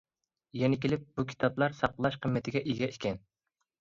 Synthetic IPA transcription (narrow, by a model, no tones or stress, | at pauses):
jɛnɪkʲelɪp̚b̥ukʲʰi̥t̪ʰɑblˠɑɾsɑqlˠɑʃqʰəmːɛt̪ʰɪɡʲɛʔiɡʲɛikʲʰɛn